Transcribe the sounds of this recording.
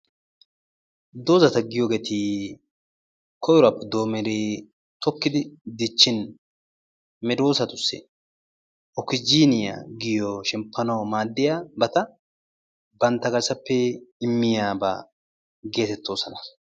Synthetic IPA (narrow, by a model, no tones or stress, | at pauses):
d̪oːzɐt̪ɐɡɪjoɡet̪ɪ | kʰɔjʊɾɐpːɛd̪o̞ːmɛɾeː | t̪ʰɔkːɪd̪ɪd̪ɪt͡ʃːɪn | mɛd̪o̞ːsɐt̪ʊsːɛ̰ | ɔkɪd͡ʒiːnɪja̰ɡɪjɔʃɛmpːɐnɐwmaːd̪ːɪjabɐt̪ɐ | bɐnt̪ːɐɡɐɾsɐpːɛɪmːɪjaːba̰ | ɡe̞ːt̪ɛt̪ːo̞ːsɐnɐ